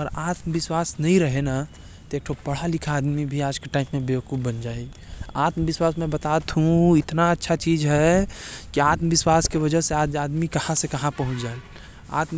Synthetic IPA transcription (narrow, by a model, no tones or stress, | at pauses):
ɔːɾaːt̪məbɪswaːsnəɦĩɾəɦena | t̪eːk̚ʈʰopəɽ̤alɪkʰaːd̪mibʱiaːd͡ʒkeʈaːɪmːẽbekubbənd͡ʒaːi | aːt̪məbɪswaːsmẽbət̪at̪ɦũɪt̪naətːʃʰat͡ʃiːd͡ʒɦɛkiaːt̪məʋɪswaːskeʋəd͡ʒəseaːd͡ʒaːd̪mikəhãsekɐɦãpəɦʊ̃t͡ʃd͡ʒael | a̰ːt̪m